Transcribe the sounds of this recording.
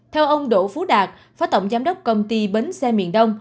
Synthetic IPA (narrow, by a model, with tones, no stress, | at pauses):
t̪ʰɛ˧wʔə˧wŋ͡mɗo̰˧˨fu˨˦ɗaː˨˩k̚ | faː˨˦t̪ə̰˧˨wŋ͡mzaː˨˦mɗə˦˥wk͡p̚kə˧wŋ͡mt̪i˧ɓe˨˦nsɛ˧mḭ˧˨ənɗə˧wŋ͡m